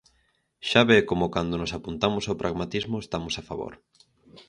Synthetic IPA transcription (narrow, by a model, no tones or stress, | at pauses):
ʃaβekomokand̪onosapunt̪amosawpɾʔaɣmat̪izmʊest̪amosafaβo̰ɾ